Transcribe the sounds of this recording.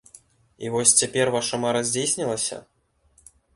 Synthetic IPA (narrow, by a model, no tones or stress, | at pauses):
ḭvɔsʲt͡sʲapʲɛrvaʂɐmaɾɐzʲd͡zʲejsʲnʲilˠɐsʲɐ̰